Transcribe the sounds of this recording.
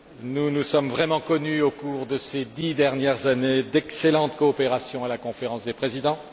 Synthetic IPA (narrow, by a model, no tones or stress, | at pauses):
nunusɔmvʁɛmɑ̃kɔnyokuʁd̪əsed̪id̪ɛʁnjɛʁzaned̪ɛkselɑ̃t̪kɔːpeʁasjɔ̃alakɔ̃feʁɑ̃sd̪epχezid̪ɑ̃